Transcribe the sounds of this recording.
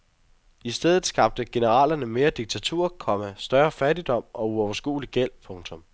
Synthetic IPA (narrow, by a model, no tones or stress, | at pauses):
isd̥eð̞̰ˠð̩ˠsɡ̥ɑ̈b̥̚d̥əɡ̥e̝nəʁɑ̰ːlɐnəme̝ːɐd̥iɡ̥̚t͡sʰæt͡sʰṵɐ̰kʰɒ̽mæsd̥ɶɐfæd̥id̥ɒ̽m̰ɒ̽uɒʊɐsɡ̥ṵːliɡ̥el̰pʰɔ̽ŋt͡sʰɔ̽m